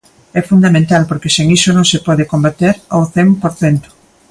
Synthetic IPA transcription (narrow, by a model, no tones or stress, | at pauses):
ɛfund̪amẽnt̪alpoɾkeseŋisonõŋsepɔðɪkombat̪eɾawθɛmpoɾθɛnt̪ʊ̥